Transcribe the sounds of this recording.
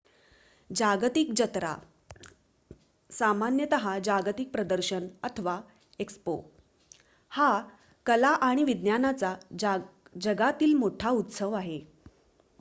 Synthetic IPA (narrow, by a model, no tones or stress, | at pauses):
d͡ʑaɡt̪ik̚d͡ʑət̪ɾa̰ | samanjət̪əɦad͡ʑaɡt̪ik̚pɾəd̪əɾɕənət̪ʰəʋa | ekspo | ha | kəlaʔaɽ̃iʋid̪njanat͡sa | d͡ʑəɡat̪iːlmoʈʰaut̪səʋaɦe